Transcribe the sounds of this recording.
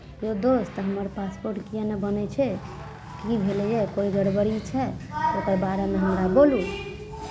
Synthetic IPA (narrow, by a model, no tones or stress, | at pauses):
jod̪ost̪əɦəməɾpaspoɾʈkijɛnebənɛt͡ʃʰɛ | kibʱelɛjɛkoiɡəɽbəɾit͡ʃʰɛokəɾbaɾemeɦəmɾabolu